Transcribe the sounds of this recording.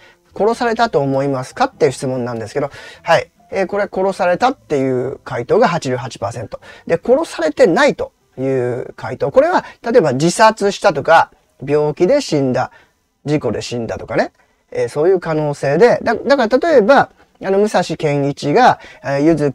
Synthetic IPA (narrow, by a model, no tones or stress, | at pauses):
ko̞ɾo̞saɾe̞t̪at̪o̞ːmo̞imasɨ̥kat̪ːeiɯ̟ɕi̥t͡sɨmõ̞nːãnd̪e̞sɨ̥ke̞d̪o̞hai | eːko̞ɾe̞ako̞ɾo̞saɾe̞t̪at̪ːe̞jɯ̟ːkait̪o̞ːɡaɦat͡ɕiɾɨɦat͡ɕi̥paːsẽ̞nt̪o̞d̪e̞ko̞ɾo̞saɾe̞t̪e̞nait̪o̞ | jɯ̟ːkʰait̪o̞ːko̞ɾe̞βat̪at̪o̞e̞bad͡ʑisat͡sɨɕi̥t̪at̪o̞ka | bʲo̞ːkʲid̪e̞ɕĩnd̪a | d͡ʑiko̞d̪e̞̰ɕĩnd̪at̪o̞kane̞ | eːso̞ːjɯ̟ːkano̞ːse̞ːd̪e̞d̪ad̪akaɾat̪at̪o̞e̞ba | ano̞mɯ̟saɕikẽ̞ŋ̃it͡ɕiɡaejɯ̟zɨ